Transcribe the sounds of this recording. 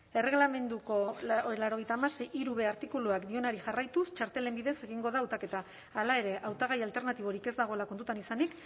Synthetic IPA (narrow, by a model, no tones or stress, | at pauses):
e̞re̞ɣlame̞nd̪uko̞laɾo̞ɣ̞jt̪aːmasejiɾuβe̞aɾt̪ikuluakd̪io̞naɾiʝarajt̪ust͡ʃaɾt̪e̞le̞mbiðe̞se̞ɣ̞iŋɡo̞ðaːwt̪ake̞t̪aː | lae̞ɾe̞ʔawt̪aɣ̞ajalt̪e̞ɾnat̪iβ̞o̞ɾike̞zd̪aɣ̞o̞elakont̪ut̪anisanik